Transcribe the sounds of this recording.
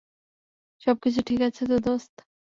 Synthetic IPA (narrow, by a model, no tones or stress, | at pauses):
ʃɔb̚kit͡ɕʰuʈʰikat͡ɕʰet̪̬od̪ost̪